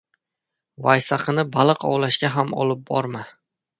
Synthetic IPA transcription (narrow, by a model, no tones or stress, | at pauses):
vajsaqʰɨnɪbalˠɨqɒ̰wlaʃkʲaɦamɒ̰lɪp̚bɒɾma